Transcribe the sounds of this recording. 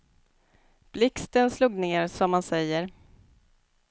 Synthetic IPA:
b̥lɪkst̪ənsluːɡneːɾsɔmːansɛjːəɾ

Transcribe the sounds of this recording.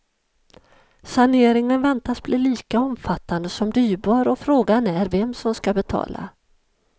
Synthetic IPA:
saneːɾɪŋənvɛnt̪asbliːliːkaɔmfat̪ːand̪əsɔmd̪yːɾbɑːɾɔfɾoːɡanæɾvɛmsɔmskabɛt̪ʰɑ̰ːla̰

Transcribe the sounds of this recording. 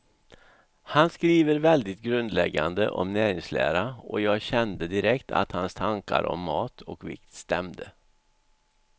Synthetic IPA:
hanskɾiːvəɾvɛld̪ɪt̪̚ɡɾɵnd̪lɛɡːand̪əʔɔmnæːɾɪŋslæ̰ːɾaɔjɑːɡɕɛnd̪əd̪ɪɾɛkt̪ʰa̰t̪hanst̪ʰaŋka̰ɾɔ̰mːɑːt̪ʰɔkvɪ̰kt̪st̪ɛmd̪ə

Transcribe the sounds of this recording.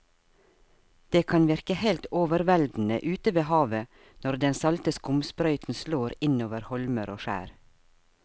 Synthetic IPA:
d̪̥eːkʰɑnʋɪɾkəhɛlt̪oːʋəɾʋɛld̪n̩ə̰ʔʉːt̪əʋeːhɑːʋə | nɔɾd̪ɛnsɑlt̪əskʊmspɾœʏt̪n̩sloːɾɪnoːʋəɾhɔlməɾoːʃæ̰ːɾ

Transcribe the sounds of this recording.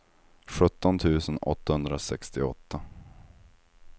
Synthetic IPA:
ɧɵt̪ːɔnt̪ʰʉ̟ːsənɔ̰t̪ːahɵnd̪ɾasɛkst̪ɪɔt̪ːa

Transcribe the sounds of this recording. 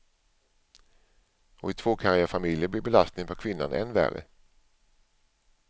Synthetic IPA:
ɔɪt̪ʰv̥oːkʰaɾɪafamɪljəb̪ɪbɛlast̪nɪŋpʰɔkʰvɪnːa̰nʔɛ̰nvæ̰ɾə̰

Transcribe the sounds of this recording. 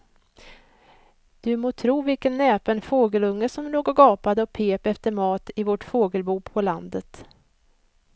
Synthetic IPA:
d̪̥ɵmoːt̪ʰɾuːvɪlkənːɛːpɛnfoːɡəlɵŋːəsɔmloːɡɔɡɑːpad̪əɔpʰeːpɛft̪əɾmɑːt̪ɪvɔʈfoːɡəlbuːpʰɔland̪ət̪

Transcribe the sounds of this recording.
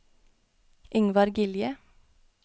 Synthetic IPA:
ʔɪŋʋɑɾɡɪljə

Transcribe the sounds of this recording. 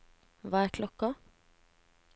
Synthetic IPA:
ʋɑːæːkʰlɔkɑ

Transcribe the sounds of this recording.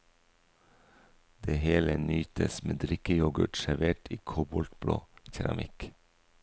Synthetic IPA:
d̪̥eːheːlənyːt̪əsmeːd̪ɾɪkəjɔɡəʈʃæɾʋeːʈʰiːkʰoːbɔlt̪blo̰ːçæɾɑmʔɪk

